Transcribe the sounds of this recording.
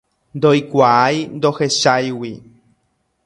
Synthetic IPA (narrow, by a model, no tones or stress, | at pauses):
nd̪ojkʷaʔajnd̪oheʃajwi